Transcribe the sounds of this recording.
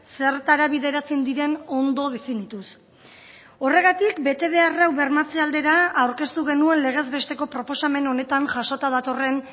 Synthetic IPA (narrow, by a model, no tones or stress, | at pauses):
se̞ɾt̪aɾaβiðe̞ɾat͡send̪iɾe̞no̞nd̪o̞ð̞efinit̪us | o̞re̞ɣ̞at̪ikbe̞t̪e̞β̞e̞arawβe̞ɾmat͡seald̪e̞ɾaːwɾke̞st̪uɣ̞e̞nue̞nle̞ɣ̞e̞zβe̞st̪e̞ko̞pɾo̞po̞same̞no̞ne̞t̪aŋʝaʃo̞t̪að̞at̪o̞re̞n